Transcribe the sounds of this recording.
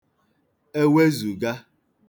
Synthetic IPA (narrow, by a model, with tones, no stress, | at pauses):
e˦we˦zu˨ɡa˦